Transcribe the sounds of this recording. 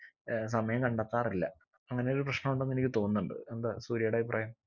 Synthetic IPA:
s̬ɐmɐjɐmkɐɳɖat̪ːaːrilːɐ̰ | ɐŋːɐne̞joɾuprɐɕnɐmuɳɖeɐnːenikʲːɨt̪o̞ːnːuɳɖɨ̰end̪asuːɾijɐɽeːʋiprɐjɐm

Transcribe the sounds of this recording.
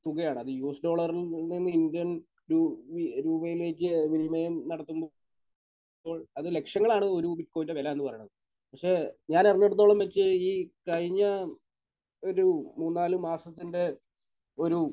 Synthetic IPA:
t̪uɣɐjaːɳɨɐðɨjuːsdo̞ːɭɐrilninːɨindijɐn | ɾuiɾuːbɐjilʋekʲːɨʋinimɐjɐmnɐɽɐt̪ːumbo | o̞ːɭɐðɨle̞kʂɐŋːɐɭaːɳɨo̞ɾubiʈkoːintːɐʋelɐenːɨpɐrɐjɐɳɐðɨ | pɐkʂe̞ːɲaːnerinːoɽut̪ːo̞ːɭɐmʋet͡ɕt͡ɕːɨiːkɐɻiɲːɐ | o̞ɾumuːnːaːlumːaːsɐt̪ːinde̞ | o̞ɾu

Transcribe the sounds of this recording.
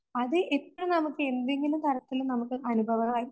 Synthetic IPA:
ɐðɨʔepːrɐnɐmukːɨe̞nd̪e̞ŋɡilumt̪ʰɐɾɐt̪ːilunɐmukːɨʔɐnubʱɐʋɐɣaːji

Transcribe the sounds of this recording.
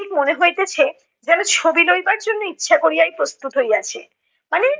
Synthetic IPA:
ikmoneɦoet̪et͡ɕʰe | d͡ʑɛnot͡ɕʰobilojbaɾd͡ʑonːoitːɕʰakoɾijajpɾost̪ut̪ɦoiat͡ɕʰe | mane

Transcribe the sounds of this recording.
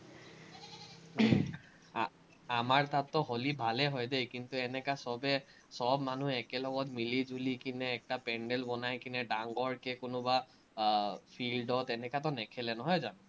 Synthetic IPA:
amaɹtatːɔɦolibʱalɛɦɔjdejkintuɛnɛkasɔbɛ | sɔbmanuɛkɛlɔɡɔtmilizulikinɛːk̚tapɛɳɖɛlbɔnajkinɛɖaŋɡɔɹkɛkʊnʊba | pʰilɖɔtɛnɛkatɔnɛkʰɛlɛnɔɦɔjzan

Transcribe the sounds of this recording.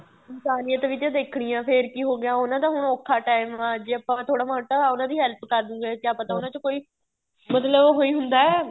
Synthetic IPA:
ɪnsaːnijãːt̪eʋɪd͡ʒãːd̪eːkʰɽ̃ɪjãːpʰɪɾkiːɦoːɡɪjãːʊnãːt̪ãːɦʊɳoːkʰːaːʈaːɪmãːd͡ʒeːəpãːt̪ʰoːɽaːmaːʈaːʊnãːd̪iːɦɛlpkəɾd̪ũːɡɛːkjaːpə̃t̪ãːʊnãːt͡ʃəkoːiː | mət̪ləbɦoːiːɦʊnd̪aːɛː

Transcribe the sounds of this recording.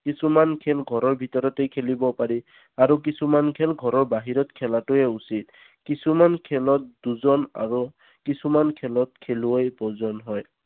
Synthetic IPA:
kisumankʰɛlɡʱɔɹɔɹbʱitɔɹɔtejkʰelibɔpaɹi | aɹuk̬isumankʰɛlɡʱɔɹɔɹbaɦiɹɔtkʰɛlatʊɛusit̚ | kisumankʰɛlɔt̚duzɔna̰ɹu | kisumankʰɛlɔt̚kʰeluojpɔzɔnɦɔj

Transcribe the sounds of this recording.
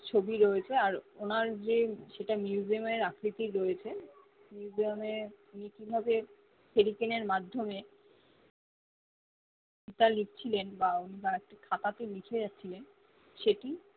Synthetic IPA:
t͡ɕʰobiɾoet͡ɕʰeaɾonaɾd͡ʑeʃeʈamjuziomeɾakʰɾit̪iɾɾoet͡ɕʰe | mjuuziameunikibʱabe | feɾikeneɾmad̪ʱːome | kit̪alik̚t͡ɕʰilenbaunibaek̚ʈakʰat̪at̪emikʰed͡ʑatːɕʰilen | ʃeʈi

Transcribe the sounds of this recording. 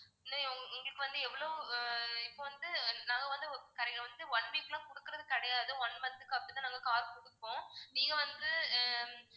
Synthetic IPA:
naʊŋɡɐɭɯkːɯʋɐnd̪ɯɛʋːɐɭo | ɪpːoːʋɐnd̪ɯnãːŋɡɐʋɐnd̪ɯkɐɾŋɐʋɐnd̪ɯɔɳʋiːkːɐlãːkɔɽɯkːɪɾɐðɯkɐɽɐjaːðɯɔɳmɐnd̪ɯkːɐpːɐɽɪt̪ãːnaːŋɡɐkaːɾkɔɽɯkːõːniːŋɡɐʋɐnd̪ɯ

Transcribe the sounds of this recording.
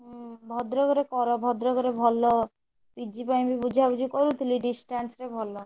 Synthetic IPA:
bʱɔd̪ɾokoɾekɔɾobʱɔd̪ɾokoɾebʱɔlːo | pid͡ʑipajbibud͡ʑʱabud͡ʑikoɾut̪uliɖisʈansɾebʱɔlːo

